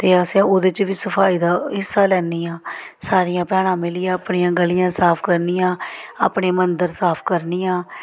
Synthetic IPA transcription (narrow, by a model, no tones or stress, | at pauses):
t̪eːəsẽːoːd̪ɪt͡ʃʋiːsəpʰaːiːd̪aːɦɪsːaːlɛːnːiːãːsaːɾɪjãːpɛːɽ̃ãːmɪlɪːãːəpɳiːãːɡəlijãːsaːpʰkəɾniːjãːa̰ːpɳeːmənd̪əɾsaːpʰkəɾniːãː